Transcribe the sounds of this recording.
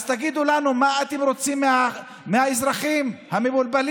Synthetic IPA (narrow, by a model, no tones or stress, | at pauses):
zt̪aɡid̪ulanumaat̪emɾo̞t͡sima | mehaizɾaχimhamebulbal